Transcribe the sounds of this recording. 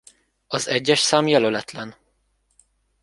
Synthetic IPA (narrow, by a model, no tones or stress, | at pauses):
ɒzɛɟːɛʃsaːmjɛlølɛt̪lɛn